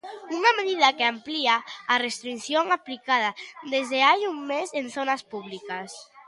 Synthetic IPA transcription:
unameðið̞akeampliaarest̪ɾinθjoŋaplikað̞ad̪ezðeajumːezenθonaspuβlikas

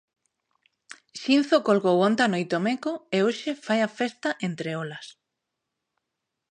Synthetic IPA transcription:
ʃinθokolɣowont̪anojt̪omekoeoʃefajafest̪aʔent̪ɾeolas

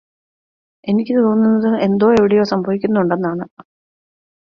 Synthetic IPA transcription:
e̞nikʲːɨt̪oːnːunːɐðɨend̪o̞ːe̞ʋiɽejo̞ːsɐmbʱɐʋikʲːunːɐuɳɖe̞nːaːɳɨ

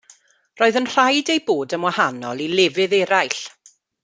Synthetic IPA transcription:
roːɨðənr̥ajdejboːdənwahanɔlˠilɪvɨðɛɾajɬ

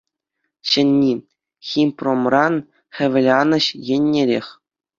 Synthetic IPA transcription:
ɕɘ̆nʲːi | xʲimpromrɑn | xʲɘ̆ʋʲɘ̆lʲɑnɤ̆ɕjɘ̆nʲːeɾʲexʲ

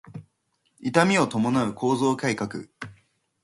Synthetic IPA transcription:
it̪amʲio̞t̪o̞mo̞naɯ̟kʰo̞ːzo̞ːkaikakɯ̟̰

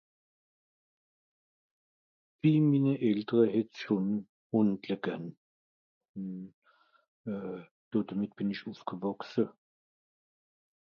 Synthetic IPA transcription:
viːmiːnəʔɛltəʁəhɛtʃon | hʊndləɡ̥an | n | d̥oːdəmɪt̚b̥ɪnɪçʔuːfɡ̥əvɔksə

